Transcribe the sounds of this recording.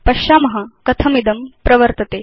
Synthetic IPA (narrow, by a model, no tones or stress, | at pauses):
pɐʃaːmɐɦɐkɐt̪ʰɐmid̪ɐmpɾɐʋəɾt̪ɐt̪eː